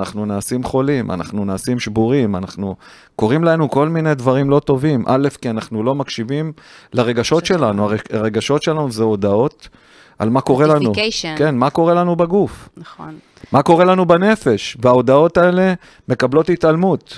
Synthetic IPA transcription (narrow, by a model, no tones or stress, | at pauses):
naχnunaːsimχo̞limʔa̰na̰χnunaːsimʃbuʁima̰naχnu | ko̞ʁimlaenuko̞lmine̞d̪vaʁimlo̞t̪o̞vimʔa̰le̞fkianaχnulo̞makʃivimlaʁe̞ɡaʃo̞tʃe̞lanuaʁeaʁe̞ɡaʃo̞tʃe̞lanuzeo̞d̪ao̞t | ʔa̰lmako̞ʁelanukenmako̞ʁe̞lanubaɡufnaon | mako̞ʁe̞lanubane̞fe̞ʃveao̞dao̞tae̞le̞ | me̞kablo̞titalmut